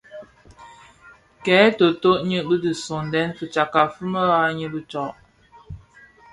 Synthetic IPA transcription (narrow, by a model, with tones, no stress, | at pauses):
kɛː˨˦to˨to˦ʔɲə˦bə˦də˨so˨ndɛ˦nfə˨t͡ʃa˨ka˨fə˦mə˦ɣa˦ɲə˦bə˦t͡ʃɔ˨ʔ